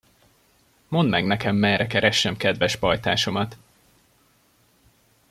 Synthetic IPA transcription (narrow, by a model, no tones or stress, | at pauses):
mo̞nd̪mɛɡnɛkɛmːɛrɛkɛɾɛʃːɛmkɛd̪vɛʃpɒjt̪a̰ːʃo̞mɒt̪